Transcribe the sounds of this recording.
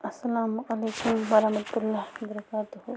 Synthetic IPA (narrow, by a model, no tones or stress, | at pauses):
ɐsːɐlaːmʔɐleːkʊmwɐɾɐhmɐt̪ʊlːawɐbɐɾɐkaːt̪ʊhu